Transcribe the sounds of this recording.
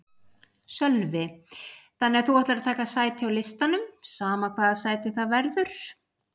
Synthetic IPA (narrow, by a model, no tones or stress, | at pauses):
sœlvɪθanːɪɛɾ̥θuaht̪lɾat̪ʰaːkasaːjt̪ɪawlɪst̪anʏmsaːmakʰvaːðasaːjt̪ɪθaðvɛɾðʏɾ̥